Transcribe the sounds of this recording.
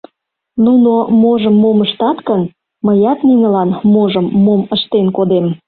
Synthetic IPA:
nunomoʒəmːoməʃt̪ɑt̪kən | məjɑt̪ninəlɑnmoʒəmːoməʃt̪enkod̪em

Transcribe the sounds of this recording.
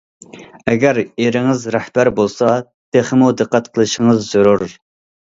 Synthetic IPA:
ɛɡʲæɾeɾɪŋɪzɾɛhb̥æɾbolˠsɑ | t̪ʰeχmud̪əqːæt̪qʰəlˠɨʃɪŋəzːuɾuɾ

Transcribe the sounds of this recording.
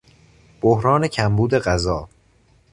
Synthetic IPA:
b̥ohɾɒːne̞cʰæmbuːd̪e̞ɢæzɒː

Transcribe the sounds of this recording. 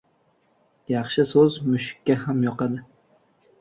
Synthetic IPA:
jɑχʃɪsɵzmʊʃɪ̥kʲːahamjɒqɑd̪ɪ

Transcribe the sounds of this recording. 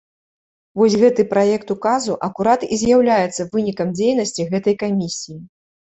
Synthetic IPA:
vɔsʲɣɛt̪ɨpɾajɛkt̪ukazuʔɐkuɾat̪ḭzʲjawlʲajɛt̪sːɐvɨnʲikɐmd͡zʲejnɐsʲt͡sʲiɣɛt̪ɐjkamʲisʲiji

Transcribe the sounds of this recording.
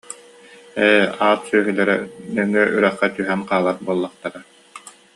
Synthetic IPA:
ɛaːt̪syœɦylɛɾɛnɛŋːyɛʔyɾœχːɛt̪yɦɛŋqaːlˠaɾbuɔlˠːɑχt̪aɾa

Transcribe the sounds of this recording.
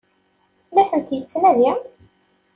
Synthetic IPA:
bæθənt̪jət͡sːnæðjæ

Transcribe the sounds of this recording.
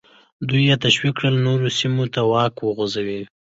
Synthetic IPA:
d̪ujːet̪aʃwikːɽəlnoɾosimot̪awɑkwəɣozawi

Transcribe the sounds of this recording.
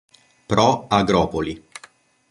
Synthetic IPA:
pɾɔaɡɾɔːpoli

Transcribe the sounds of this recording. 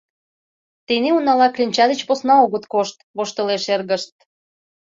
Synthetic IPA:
t̪eneunɑlɑklʲinʲt͡ɕɑd̪ĕt͡ɕposnɑoɣət̪koʃt̪βoʃt̪ə̆leʃerɣə̆ʃt̪̚

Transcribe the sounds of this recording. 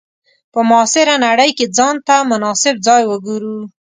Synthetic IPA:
pəmɑsɪɾanaɽəjked͡zɑnt̪amʊnɑsɪb̚d͡zɑjwəɡuɾu

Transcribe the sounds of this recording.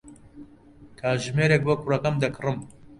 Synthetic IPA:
k̪ʰaːʒmeːɾek̚bokʰurɐkɐmd̪ɐkʰɨrɨm

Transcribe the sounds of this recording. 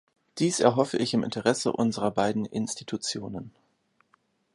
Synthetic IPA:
d̥iːsɛ̰ɐɦɔfəʔɪçɪmʔɪ̰ntəʁɛsə̰ʔʊnzəʁɐbaɪdn̩ʔɪ̰nstitʰut͡sjoːnən

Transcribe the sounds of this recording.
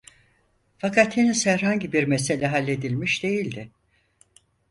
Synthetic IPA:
fakʰat̪henisæɾhaɲɟibiɾmese̞lʲɛɦalʲːe̞d̪ilʲmiʃd̪e̞jilʲd̪ɪ

